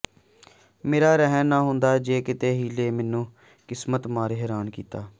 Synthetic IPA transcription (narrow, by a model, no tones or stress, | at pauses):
meːɾaːɾɛɦənãːɦʊnd̪aːd͡ʒeːkɪt̪eːɦiːleːmɛːnũː | kɪsmət̪maːɾɦɛːɾaːnkḭːt̪aː